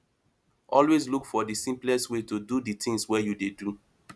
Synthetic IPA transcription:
ʔɔlwezlukfɔdisĩmplɛstwetududitĩŋswɛjudedu

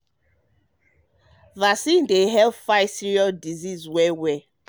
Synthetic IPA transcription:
vasĩndeɦɛlfaɪsiɹiɔldizizwɛwɛ

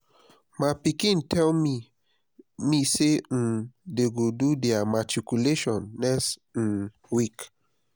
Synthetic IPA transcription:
mãpikĩntɛlmi | misen̩deɡodudeamatikuleʃɔ̃nːɛstn̩ | wik

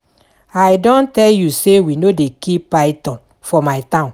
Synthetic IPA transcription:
ajdɔ̃ntɛljusewinodekippajtɔ̃n | fɔmajtãʊ̃n

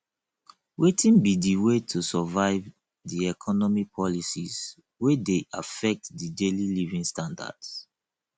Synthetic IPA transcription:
wetʰĩnbidiwetʰusɔvaɪv | diɛkʰɔnɔmipʰɔlisiz | wedeʔa̰fɛk̚tdidelilivĩŋstãnda̰ds

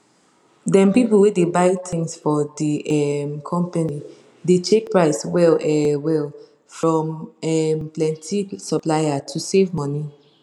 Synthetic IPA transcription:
dɛ̃mpipulˠwedebaɪtʰĩŋsfɔdiɛmkʰɔ̃mpani | det͡ʃʰek̚pɹaɪswɛlɛwɛl | fɹɔ̃mɛmplɛ̃ntʰisɔplaɪatʰusevmɔni

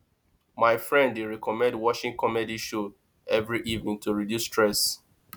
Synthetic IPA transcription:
majfɹɛ̃ndeɹɛkɔmɛ̃ndwɔʃĩŋkʰɔmɛdiʃo | ɛvɹiʔivnĩŋtuɹidjustɹɛs

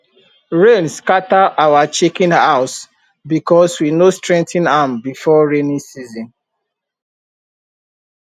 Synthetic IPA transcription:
ɹẽnskataʔawat͡ʃekĩnhaʊs | bikɔswinostɹɛ̃ntʰĩnambifɔɹenĩsizɔ̃n

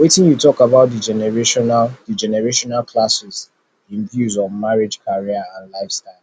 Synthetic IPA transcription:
wetɪ̃njutɔkabaʊt̚did͡ʒɛnɛɹeʃɔnadid͡ʒɛnɛɹeʃɔnalklasɪz | ĩnɡjuzɔmaɹɪd͡ʒkaɹiaãnlaɪfstaɪl

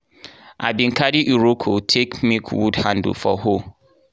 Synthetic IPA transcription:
a̰bĩŋ̩kadiʔiɹokʰotʰekmikʰwṵdhãndə̰fɔ̰ho

